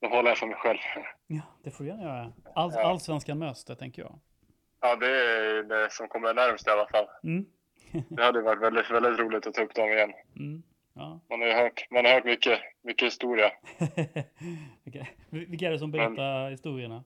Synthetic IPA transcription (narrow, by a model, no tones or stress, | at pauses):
d̪̥ɔhɔlːaɾjafœmɛjɧɛlvɑːd̪̥ɛfʊːɾjɛnːajœːɾaalalsvɛnskanmœːst̪ət̪ʰɛŋkəjɑ̰ːɡ | ɑːd̪ɛd̪ɛsɔmkʰɔmːəɾɳæɾmst̪ɪalːafalːm̩ː | d̪ɛhad̪ːəjəvaʈːvɛld̪ɪt̪vɛld̪ɪt̪ɾuːlɪɡ̚t̪ɔt̪ʰːɑːɵpːd̪ɔmɪjɛnːm̩ | jɑːmanhaɾjəhœːʈmanhaɾhœːʈmʏkːəmʏkːəhɪst̪uːɾɪa | ɪkː | vɪkːaæɖɛs̬ɔmbɛɾɛːahɪst̪uːɾɪəɳa